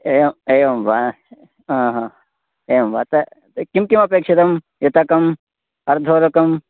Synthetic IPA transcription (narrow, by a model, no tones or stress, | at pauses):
eːʋɐmeːjʋɐmbaː | ɦãːɦãː | eːʋɐmba̰ːt̪ɐ | kimkimɐpeːkʂit̪ɐm | jɐt̪ɐkɐm | ɐɾd̪ʱoːɾɐkɐm